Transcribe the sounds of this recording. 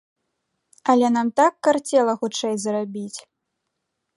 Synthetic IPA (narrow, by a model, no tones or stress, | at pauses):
ɐlʲɛnamt̪akːart͡sʲɛlˠɐxut͡ʂɛjzɐɾabʲit͡sʲ